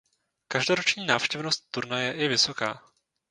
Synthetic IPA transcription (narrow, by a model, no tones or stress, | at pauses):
kaʒdo̞ɾot͡ʃɲiːnaːfʃcɛvnost̪̚t̪ːuɾnajɛʔɪvɪso̞kaː